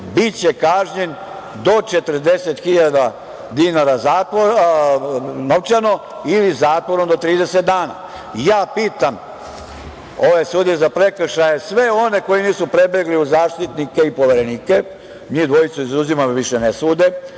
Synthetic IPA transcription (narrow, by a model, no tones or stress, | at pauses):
bit͡ɕekaːʒɲe̞n | d̪o̞t͡ʃe̞t̪ər̩d̪e̞se̞t̪xiʎad̪a | d̪inaɾazaːt̪ʋoɾ | noʋt͡ʃano̞ | ilizaːt̪ʋo̞ɾo̞md̪o̞t̪ɾiːd̪eset̪̚d̪aːna̰ː | jaːpiːt̪am | o̞ʋesuːd̪jezapɾekr̩ʃajesʋe̞o̞ne̞ko̞jiniːsupɾe̞beɡliuzaːʃt̪it̪nike̞ipo̞ʋeɾe̞niːke | miːd̪ʋo̞jit̪suizuzimamoʋiʃenesuːd̪e̞